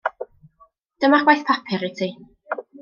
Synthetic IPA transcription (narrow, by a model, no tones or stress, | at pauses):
d̥əmaχwajθpʰapʰɪɾɪtʰi